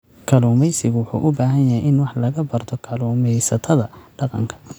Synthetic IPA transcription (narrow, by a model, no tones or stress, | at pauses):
kʰɐluːmɛjsɪɣʊwʊħṵːʔʊbaːɦɐnjɐɦɛjʔɪnwɑħlɐɣɐbɐrt̪ʰɔkʰɐluːmɛjsɐt̪ʰɐðɐɖɑqɑ̰ŋkʰɐ̥